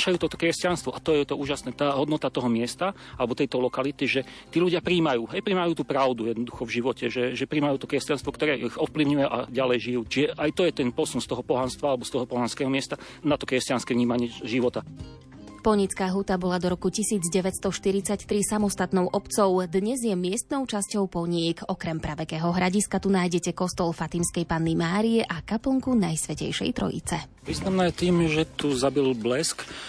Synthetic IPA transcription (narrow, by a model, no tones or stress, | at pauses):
ʃajuːt̪ɔt̪ɔ̥kɾɛscanst̪ʋɔʔat̪ɔjɛɛt̪ɔuːʒasnɛːt̪aːɦɔd̪nɔt̪at̪ɔɦɔmɪɛst̪a | alɛbɔt̪ɛjt̪ɔlɔkalit̪iʒɛt̪iːʎuɟɪapɾiːmajuːɦɛjpɾiːmajuːt̪uːpɾaʊd̪ujɛd̪nɔd̪uxɔvʒiʋɔcɛʒɛʒɛpɾiːmajuːt̪ɔkɾɛscanst̪ʋɔkt̪ɔɾɛːʔiɣɔfpliʊɲujɛʔa̰ɟalɛjʒijuːt͡ʃiʒɛʔajt̪ɔjɛt̪ɛnpɔsunst̪ɔɦɔpɔɦanst̪ʋalɛbɔst̪ɔɦɔpɔɦanskɛːɦɔmɪɛst̪a | nat̪ɔkɾɛscanskɛvɲiːmaɲɪɛʒiʋɔt̪a | pɔɲit͡skaːɦuːt̪abɔlad̪ɔɾɔkucisiːd͡zɟɛʋɛtst̪ɔʃt̪iɾit͡sact̪ɾisamɔst̪at̪nɔʊʔɔpt͡sɔʊd̪ɲɛzjɛmɪɛst̪nɔʊt͡ʃascɔʊpɔɲikɔkɾɛmpɾaʋɛkɛːɦɔɦɾaɟiskat̪unaːjɟɛcɛkɔst̪ɔlˠfat̪imskɛjpanːimaːɾiɛʔakapl̩ŋkunajsʋɛcɛ̰jʃɛ̰jt̪ɾɔ̰jḭt͡sɛ | ʋiːznamnaːjɛt̪iːmʒɛt̪uzabilblɛsk